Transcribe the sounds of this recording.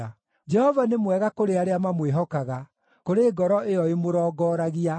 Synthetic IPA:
a | d͡ʒɛhɔvanemwɛɣakoɾeaɾeamamweɦɔkaɣa | koɾeːɡɔɾɔʔejɔemoɾɔːɡɔːɾaɣia

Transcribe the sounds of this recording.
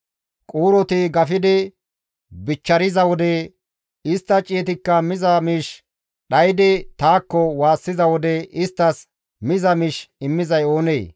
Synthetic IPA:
kʼuːɾɔt̪ɪɡɐfɪd̪ɪ | bɪt͡ʃːɐɾɪzɐwɔd̪ɛ | ɪst̪ːɐt͡ʃʼːeːt̪ɪkːɐmɪzɐmiːʃ | ɗɐjd̪ɪt̪aːkːɔwaːsːɪzɐwɔd̪ɛɪst̪ːɐs | mɪzɐmɪʃɪmːɪzɐjo̞ːneː

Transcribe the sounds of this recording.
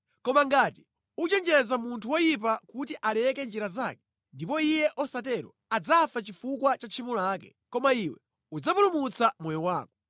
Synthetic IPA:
kɔmaŋɡaːti | ut͡ʃɛnd͡ʒɛzamuntʰuwɔjip̬akutiʔalɛkɛnd͡ʒiɾazaːkɛ̥ | ndipɔijɛʔɔsat̬ɛɾɔ̰ | ad͡zafat͡ʃifukwat͡ʃat͡ʃʰimulaːkɛ̰ | kɔmaiwɛ̰ | ud͡zapulumut͡samwɔjɔwaːkɔ̥

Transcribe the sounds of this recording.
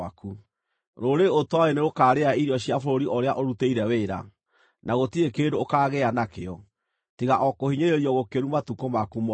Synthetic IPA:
aku | ɾoɾeotwaeneɣokaːɾeaiɾjɔɕiafoɾoɾiʔoɾeaʔoɾuteiɾɛweɾa̰ | naɣotiɾekeːdoːkaːɣeanakeɔ | tiɣaʔɔkohiɲeɾeɾiɔɣokeɾumatukomakum

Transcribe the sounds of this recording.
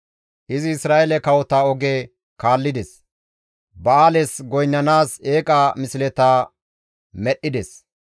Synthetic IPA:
ʔɪzɪːsɾaːʔelɛkɐwɔt̪aːɔɡeː | kaːlːɪd̪ɛs | bɐaːlɛsɡɔjnːɐnaːseːkʼaːmɪsɪlɛt̪aː | mɛɗːɪd̪ɛs

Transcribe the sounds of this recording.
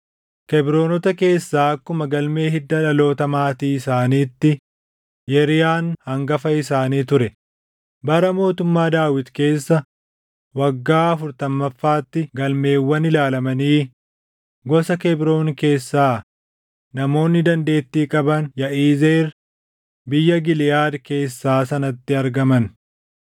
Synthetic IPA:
kɛbɾo̞ːnɔt̪ɐke̞ːsːaːɐkːʊmɐɡɐlme̞ːhɪd̪ːɐlɐlo̞ːt̪ɐmaːt̪iːɪsaːniːt̪ːɪ | jɛɾɪjaːnhɐŋɡɐfɐɪsaːniːt̪ʊɾɛ | bɐɾɐmo̞ːt̪ʊmːaːd̪aːwɪt̪ke̞ːsːɐ | wɐɡːaːɐfʊɾt̪ɐmːɐfːaːt̪ːɪɡɐlme̞ːwːɐnɪlaːlɐmɐniː | ɡɔsɐkɛbɾo̞ːnke̞ːsːaː | nɐmo̞ːnːɪd̪ɐnd̪e̞ːt̪ːiːkʼɐbɐnjɐʔiːzeːɾ | bɪjːɐɡɪlɪjaːd̪ke̞ːsːaːsɐnɐt̪ːɪɐɾɡɐmɐn

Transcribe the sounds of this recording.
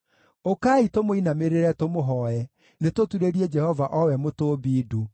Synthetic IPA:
okaːitomoinameɾeɾɛtomoɦɔɛ | netotuɾeɾiɛd͡ʒɛhɔvaʔɔwɛmotoːbiːdu

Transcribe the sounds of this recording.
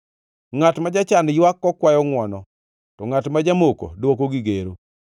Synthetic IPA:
ŋatmad͡ʒat͡ʃanjwakːɔkwajɔŋwɔnɔ | tɔŋatmad͡ʒamoko̰dwokoɡiɡeɾo

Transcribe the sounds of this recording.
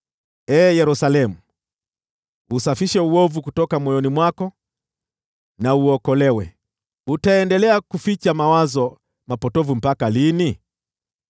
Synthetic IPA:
ɛːjɛɾusalɛmu | usafiʃɛuɔvukutɔkamwɔjɔnimwakɔ | nauɔkɔlɛwɛ̰ | utaɛndɛlɛakufit͡ʃamawazɔ | mapɔtɔvum̩pakalini

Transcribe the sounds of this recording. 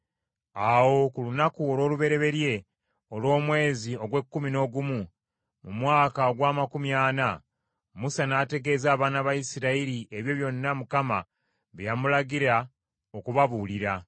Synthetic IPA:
awo̞kulunakuo̞lwo̞ːluβe̞ɾe̞βe̞ɾje̞ | o̞lwo̞ːmwe̞ːzio̞ɡwe̞kːumino̞ɡumu | mumwaːkaoɡwaːmakumjaːna | musanaːte̞ɡe̞ːzaːβaːnaβaisiɾaiɾiʔeβjo̞ːβjo̞nːamukama | βjamulaɡiɾa | o̞kuβaβuːliɾa

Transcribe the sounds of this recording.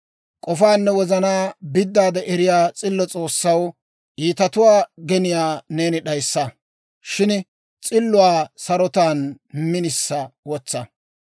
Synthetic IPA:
kʼɔfaːnːɛwɔzɐnaːbɪd̪ːaːd̪ɛʔɛɾɪjaːt͡sʼɪlːɔt͡sʼo̞ːsːɐw | ʔiːt̪ɐt̪ʊwaːɡɛnɪjaːne̞ːnɪɗɐjsːɐ | ʃɪn | t͡sʼɪlːʊwaːsɐɾɔt̪aːn | mɪnɪsːɐwɔt͡sːɐ

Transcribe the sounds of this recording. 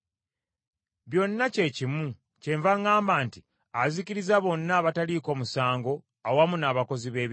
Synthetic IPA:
βjo̞nːace̞cimu | ceɱvaŋaːmbaːnti | aziciɾizaβo̞nːaːβataliko̞ːmusaːŋɡo̞ | awamunaːβako̞ziβe̞ːβ

